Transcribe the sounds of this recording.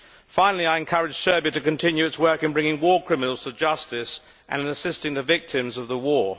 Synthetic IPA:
fãɪ̃nəl̩ˠiaɪɨ̃nkʰʌɹɪ̥d͡ʒ̥ʒ̥sɜ˞biəɾɨkɨ̃ntʰɪ̃njʉɨtswɜˑ˞kɨ̃nbɹɪ̃ŋɪ̃ŋwɔːkʰɹ̥ɪmənəl̩ˠz̥tʰəd͡ʒʌstɪs | ʔə̰̃nɨ̃nəsɪstɪ̃ŋðəvɪk̚tʰɪ̃mzʌvðəwɔː

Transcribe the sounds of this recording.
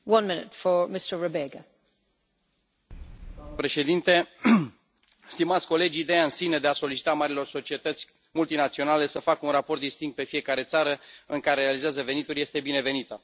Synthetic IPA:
wʌ̃nmɪ̃nɪ̰tfə˞mɪstə˞ɹəbeɡə | pɾe̞ʃe̞d̪int̪e̞ | st̪imat̪sʲko̞le̞d͡ʒʲːd̪e̞jaɨnsine̞d̪e̞aso̞lit͡ʃi̥t̪amaɾilo̞rso̞t͡ʃie̞t̪ət̪sʲ | mult̪inat̪sio̞nale̞səfakəunrapo̞rt̪̚d̪ist̪iŋɡt̪pe̞fije̞kaɾe̞t̪saɾəɨŋkaɾeɾealizeazəve̞nit̪ulʲje̞st̪e̞bine̞ve̞nit̪ə

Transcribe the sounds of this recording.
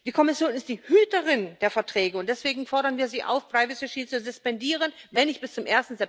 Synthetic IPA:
d̥iːkʰɔmɪsjoːnɪstd̥iːhyːtəʁɪnd̥eːɐfɛɐtʁ̥ɛːɡəʊntd̥ɛsv̥eːɡŋ̩fɔɐɾɐnviːɐziːʔa̰ʊfpʁ̥aɪvɪsiʃiːt͡suzʊspɛndiːʁ̞ənvɛnɪçb̥ɪst͡sʊmʔeːɐstn̩zɛp̚

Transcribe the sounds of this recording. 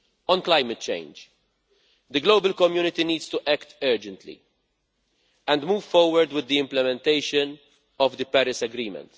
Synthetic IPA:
ɔ̃nklaɪmɛt̪̚t͡ʃḛ̃ɪnd͡ʒ | d̪əɡloːbəlkɔmjuːnɪt̪iniːd̪st̪uʔɛkt̪ɜːd͡ʒɛ̃nt̪lḭ | ɛ̃nd̪muːv̥fɔɾwəɾd̪wɪd̪ːiɪ̃mplɛmɛ̃nt̪eɪʃən | ɔvd̪ɨpɛɾɪsɛɡɾiːmɛ̰̃nt̪

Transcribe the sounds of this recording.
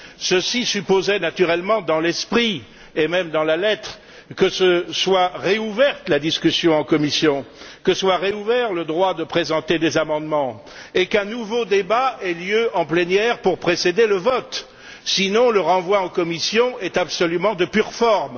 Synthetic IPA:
səsisypozɛnat̪yʁɛlmɑ̃d̪ɑ̃lɛspχi | emɛmd̪ɑ̃lalɛt̪χ | kəsəswaʁeuvɛʁt̪lad̪iskʲysjɔ̃ɑ̃kɔmisjɔ̃kəswaʁeuvɛʁləd̪ʁwad̪əpχezɑ̃t̪ed̪ezamɑ̃d̪mɑ̃ | ekɛ̃nuvod̪ebaɛljøɑ̃plenjɛʁpuʁpχesed̪eləvɔt̪ | sinɔ̃ləʁɑ̃vwaɑ̃kɔmisjɔ̃ɛt̪apsɔlymɑ̃d̪əpyʁfɔʁm

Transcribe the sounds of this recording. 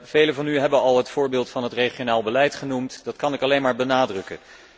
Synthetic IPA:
v̥ejləvɑnyɦɛbənɑlˠɦətfʊːɹbɪːlˠtfɑnɦətrejχionaːlˠbəlɛjtχənumtdɑtkɑnɪkɑlejnmaːɹbənaːdrɵkə

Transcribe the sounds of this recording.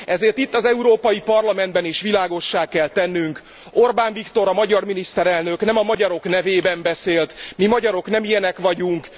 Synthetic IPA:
ɛzeːrt̪it̪ːɒzɛuɾoːpɒjipɒrlɒmɛnd̪bɛniʃʋilaːɡo̞ʃːaːkɛlt̪ɛnːyŋk | o̞rbaːɱvikt̪o̞ɾɒmɒɟɒrminist̪ɛɾɛlnø̞knɛmɒmɒɟɒɾo̞knɛveːbɛmbɛseːlt̪mimɒɟɒɾo̞knɛmijɛnɛkʋɒɟuŋk

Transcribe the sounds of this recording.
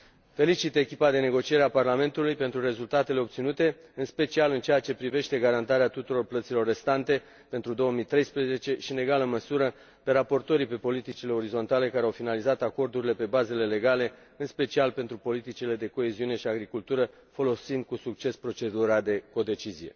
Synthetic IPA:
fe̞lit͡ʃit̪e̞kʲipad̪e̞ne̞ɡo̞t͡ʃije̞ɾeaparlame̞nt̪ulujpe̞nt̪ɾure̞zult̪at̪e̞le̞o̞pt̪sinut̪e̞ɨnspe̞t͡ʃialɨnt͡ʃe̞jat͡ʃe̞pɾive̞ʃt̪e̞ɡaɾant̪aɾeat̪ut̪uɾo̞rplət̪silo̞rːe̞st̪ant̪e̞ | pent̪ɾud̪o̞wəmijt̪ɾe̞jspɾeze̞t͡ʃe̞ʃine̞ɡaləməsuɾə | pe̞ɾapo̞rt̪o̞ɾipe̞po̞lit̪it͡ʃile̞o̞ɾizo̞nt̪ale̞kaɾeawfinalizat̪ako̞rd̪uɾile̞pe̞baze̞le̞le̞ɡale̞ | ɨnspe̞t͡ʃialpe̞nt̪ɾupo̞lit̪it͡ʃile̞d̪e̞ko̞e̞ziune̞ʃiaɡɾikult̪uɾə | fo̞lo̞sind̪̚kusuk̚t͡ʃe̞spɾo̞t͡ʃe̞d̪uɾad̪e̞ko̞d̪e̞t͡ʃizije̞̰

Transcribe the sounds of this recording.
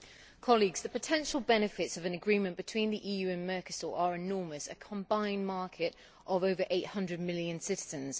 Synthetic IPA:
kʰɒliɡz̥ðəpətʰɛ̃nʃəlˠbɛnɪfɪtsəvə̃nəɡɹĩːmə̃nb̥ɪtʰw̥ĩnðiʔiːjʉːə̃nmɜˑkəsɔ̰ːɹʔəɹɪnɔːməsə̰kʰə̃mbãɪ̃nmɑˑkʰɪt | ʔəvəʊvəɹʔeɪʔhʌ̃ndɹəd̚mɪljə̃nsɪtɪz̥ə̃nz̥

